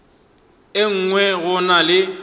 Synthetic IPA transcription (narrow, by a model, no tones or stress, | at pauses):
eŋ̩ŋwɛɣʊnalɪ